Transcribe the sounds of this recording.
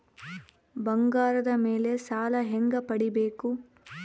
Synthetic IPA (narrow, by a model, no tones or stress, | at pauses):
bɐŋɡaːɾɐd̪ɐmeːle̞saːlɐɦeŋɡɐpɐɽibeːku